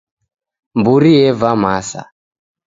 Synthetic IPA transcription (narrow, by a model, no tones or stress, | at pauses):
mbuɾijɛvamasa̰